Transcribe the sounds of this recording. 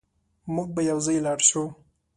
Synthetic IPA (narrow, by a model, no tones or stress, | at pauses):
muɡ̚bajawzɑjlɑɽʃu